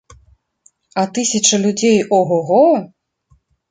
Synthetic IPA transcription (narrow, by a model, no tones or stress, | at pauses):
ɐt̪ɨsʲɐt͡ʂɐlʲud͡zʲejɔɣɔɣɔ